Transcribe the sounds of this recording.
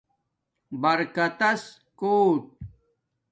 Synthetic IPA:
bɐɾkɐt̪ɐs | koːʈ̚

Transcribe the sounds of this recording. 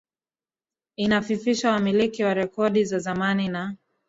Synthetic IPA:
inafifiʃawamilikiwaɾɛkɔɗizazamanina

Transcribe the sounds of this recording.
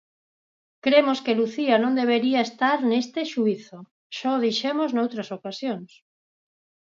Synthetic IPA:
kɾemoskeluθianõnd̪eβ̞eɾiaest̪aɾnest̪eʃuiθo | ʃɔðiʃemoznowt̪ɾɐsokasjoŋs

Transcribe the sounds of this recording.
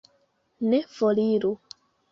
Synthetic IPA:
nefoliɾu

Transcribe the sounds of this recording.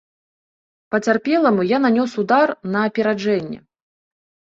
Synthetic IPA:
pɐt͡sʲarpʲɛlˠɐmujananʲɔsud̪arnɐːpʲɛɾad͡ʐɛnʲːɛ̰

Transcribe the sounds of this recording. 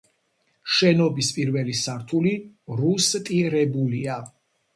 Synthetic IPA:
ʃɛnɔbispʼiɾvɛlisaɾt̪ʰuliɾust̪ʼiɾɛbulia

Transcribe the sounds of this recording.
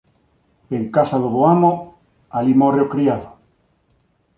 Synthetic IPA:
eŋkasaðoβoamo | alimoreokɾiaðo

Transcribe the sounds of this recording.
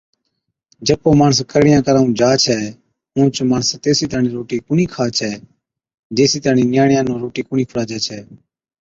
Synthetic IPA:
d͡ʒəpoːmaːɳəskəɾɽɪjãːkəɾaːũːd͡ʒaːt͡ʃʰɛː | ũːt͡ʃmaːɳəst̪eːsiːt̪aːnĩːɾoːʈiːkʊɳiːkʰaːt͡ʃʰɛː | d͡ʒeːsiːt̪aːnĩːnɪjaːɳjãːnõːɾoːʈiːkʊɳĩːkʰəɾaːd͡ʒɛːt͡ʃʰɛː

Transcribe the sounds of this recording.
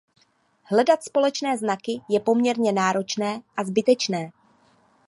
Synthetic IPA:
ɦlɛdat̪spo̞lɛt͡ʃnɛːznakɪjɛpo̞mɲɛɾɲɛnaːɾo̞t͡ʃnɛːʔazbɪt̪ɛt͡ʃnɛː

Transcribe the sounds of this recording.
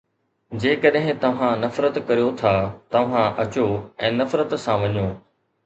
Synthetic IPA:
d͡ʑeːkɐɗɦɪ̃t̪ɐʋ̤ãnɐfɾət̪kɐɾijot̪ʰaːt̪ɐʋ̤ãʔɐt͡ɕoɛ̃ːnɐfɾət̪sãʋɐɲoː

